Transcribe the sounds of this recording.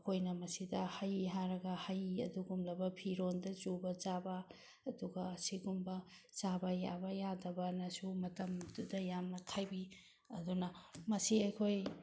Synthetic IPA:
kʰojnɐmɐsidɐhajɦaɾɐɡɐhajɐ̰duɡumlɐbɐpʰiɾondɐt͡ʃubɐd͡ʒabɐː | duɡɐːsiɡumbɐt͡ʃabɐja̰bɐjadɐbɐnɐsumɐtɐmɐdudɐjamnɐtʰajbi | ɐdunɐmɐsiɐjkʰoj

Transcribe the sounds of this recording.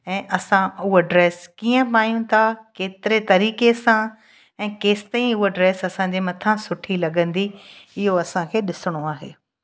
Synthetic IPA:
ɛ̃ːʔɐsãʊɦoɖɾeːskiːə̃paːjũt̪ʰakeːt̪ɪɾet̪ɐɾiːkesã | ɛ̃ːkeːsɪ̥t̪aːĩʊɦoɖɾeːsɐsãɲ̆d͡ʑeːmɐt̪ʰãsʊʈʰilɐɠə̃nd̪iɪɦoɐsãkʰeːɗɪsɪɽ̃oaːɦḛː

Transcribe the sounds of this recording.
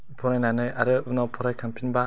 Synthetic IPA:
pʰɔɾajnanɯjaɾɯɯnɔpʰɔɾajkʰampʰinba

